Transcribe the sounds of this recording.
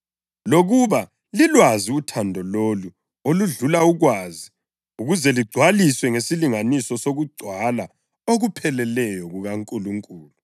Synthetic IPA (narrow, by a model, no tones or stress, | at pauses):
loɣuβa | lilwaziutʰandʱɔlolu | oluɮulauɣwaːzi | uɣuzɛliɡ͡ǀʱwaliswɛŋesiliŋanisɔsoɣuɡ͡ǀʱwala | oɣupʰɛlɛlɛjɔɣuɣaŋkʼuluŋkʼuːlu